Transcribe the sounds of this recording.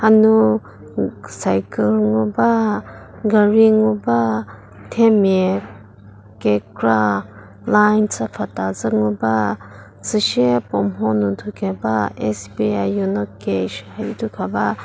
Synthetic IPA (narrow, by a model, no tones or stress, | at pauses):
hanu | sajkəlŋuba | ɡaɾiŋuba | tʰeme | kekɾa | lajnsapʰatazɯŋuba | sɨʃepɔmɦɔnutʰukʰebaesbiaunɔkeʃhajitʰukʰaba